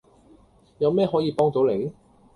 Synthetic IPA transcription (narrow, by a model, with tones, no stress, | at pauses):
jɐ˨˧wmɛː˥ɦɔː˨˥jiː˧pɔː˥ŋt̪o˨˥wle˨˥j